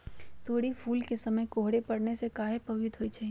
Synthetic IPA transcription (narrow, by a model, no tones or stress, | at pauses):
t̪ʰoːɽipʰuːlkesɐməjkoːɦɽepɐɽnesekaːɦepɐʋɪd̪ɦoit͡ʃaːɦi